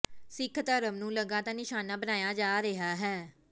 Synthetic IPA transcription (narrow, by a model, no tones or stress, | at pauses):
sɪkʰt̪əɾəmnũːləɡãːt̪ãːnɪʃaːnaːbənaːjaːd͡ʒaːɾeɦaːɦɛː